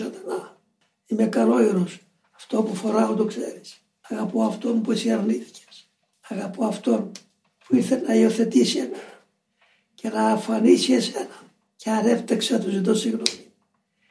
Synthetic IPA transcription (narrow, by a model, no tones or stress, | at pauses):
sɐt̪anɐ | imekɐlo̞iɾos | ɐft̪o̞pufo̞ɾɐot̪okse̞ɾis | ɐɣɐpoɐft̪o̞npuesiɐɾniθi̥ce̥s | ɐɣɐpoɐft̪o̞n | puiɾθelnɐio̞θe̞t̪isiemenɐ | ce̞nɐːɱfɐnisie̞se̞nɐ | ceɐne̞ft̪ɐkset̪uzit̪̬o̞siɣnomi̥